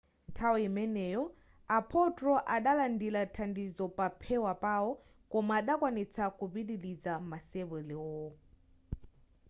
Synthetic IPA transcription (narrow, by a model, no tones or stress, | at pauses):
tʰawɔimɛnɛjɔ | apʰɔtɾɔʔaɗalandilatʰandizɔpapʰɛwapaɔ | kɔmaːɗakwanit͡sʰakupiɗilid͡zamasɛβɛlɛwɔ